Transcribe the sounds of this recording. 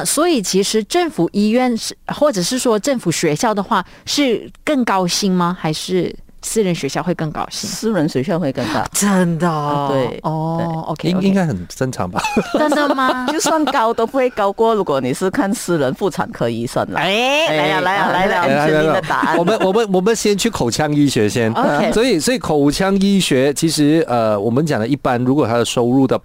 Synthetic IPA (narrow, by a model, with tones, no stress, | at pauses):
swɔ˧˥i˨˩t͡ɕʰi˧˥ʂɻ̩˧˥ʈ͡ʂə˥˩ŋfu˨˩ʔi˥ɥɛ˥˩nʂ̩˥˩xwɔ˥˩ʈ͡ʂɤ˨˩ʂɻ̩˥˩ʂwɔ˥ʈ͡ʂə˥˩ŋfu˨˩ɕɥɛ˧˥ɕjɑ˥˩ʊd̪ə˩xwa˥˩ | ʂɻ̩˥˧kə˥˩ŋkɑ˥ʊɕi˥ŋmɐ˨xa˧˥ɪʂɻ̩˥˩ | sɹ̩˥ɻə˧˥nɕɥɛ˧˥ɕjɑ˥˧ʊxwe˥˧ɪkɤ˥˩ŋkɑ̰˥ʊɕḭ˥˧sɹ̩˥ɻə˧˦˥nswe˧˥ɕɥɛ˥˧nxwe˥˧ɪkə˥˧ŋt̪a̰˥˩ʈ͡ʂə˥nd̪ə˨˩t̪we˥˩ɪɔ˥˩e˥ɪo̰˧kʰi˥˧i˥˧ŋka˥ɪxə˨˩nsə˥nʈ͡ʂʰɑ̰˨˧˥ŋba˧ə˥nd̪ə˨ma˧jo˥˩swa˥˧nkɑ˥ʊt̪o˥ʊpu˧˥xwe˥˩ɪkɑ˥ʊkwɔ˥˩ɻu˧˥kwɔ˧˥ni˨˩ʂɻ̩˥˧kʰa˥˩nsɹ̩˥ɻə˧˦nfu˥˩ʈ͡ʂʰa̰˨˩nkʰɤ˧˥i˨˦swa̰˥˩nlə̰˨e˥˧a˧˥˩la˧˦˥la˧˨˥a˧˥˩t̪a̰˧˦˥wɔ˨˩mə˦nwɔ˨˩mə˨˦nwɔ˨˩mə˨˦nɕjɛ˥nt͡ɕʰy˥˩kʰo˨˩ʊt͡ɕʰjɑ˥ŋi˥˩ɕɥɛ˧˥ɕjɛ˦˥no˧˥˧swɔ˧˥i˨˩swɔ˧˥i˨˩kʰo˨˩ʊt͡ɕʰjɑ˥ŋi˥˩ɕɥɛ˧˥t͡ɕʰi˧˥ʂɻ̩˧˥ə˧wɔ˨˩mə˦nt͡ɕjɑ˨˩ŋlə˦i˥˩pa˦nɻu˧˥kwɔ˨˩t̪ʰa˥d̪ə˨ʂo˥ʊɻu˥˩d̪ə˨˩